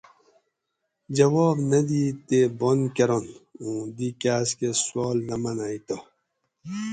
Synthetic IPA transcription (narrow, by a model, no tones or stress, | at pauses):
d͡ʑɐwɔːbnɐd̪iːt̪ebonkɐɾonũːd̪ikaːskeswoːlnɐmɐnaːit̪o